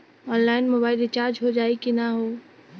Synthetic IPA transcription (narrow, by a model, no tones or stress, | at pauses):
ɔːnlaːɪnmobaːɪlet͡ʃaːɾd͡ʒɦod͡ʒaːikinaɦoː